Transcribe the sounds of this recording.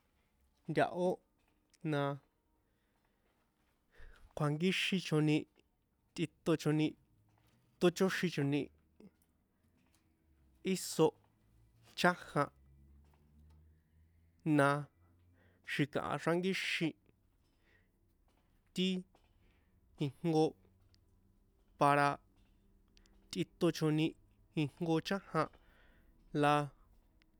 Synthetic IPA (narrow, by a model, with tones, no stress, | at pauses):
nd̪ʲa̰˧ʔo˦ | nã˧ | kʷʰa˨ŋɡi˦ʃĩ˧t͡ʃõ˧nĩ˧ | t̪i˧t̪o˧t͡ʃõ˧nĩ˧ | t̪o˦t͡ʃo˦ʃĩ˧t͡ʃõ˧nĩ˧ | i˦so˧ʔ | t͡ʃʰa˦hã˧ | nã˧ | ʃi˧kã̰˨ʔa̰˧ʂa˧ŋɡi˦ʃĩ˧ | t̪i˦ | i˧ŋŋɡo˧ | pa˧ɾa˧ | t̪i˧t̪o˧t͡ʃõ˧nĩ˧ | i˧ŋ̥ŋɡo˧t͡ʃã˦hã˧ | la˧